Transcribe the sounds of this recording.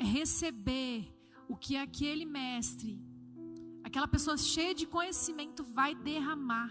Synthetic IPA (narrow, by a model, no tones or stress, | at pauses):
ɦesebeɾ | ʊkɪakʰelɪmɛst̪ɾɪ | akɛlɐpesoɐʃejɐd͡ʒɪkõɲesimẽnt̪ʊvajd̪eɦɐ̃ma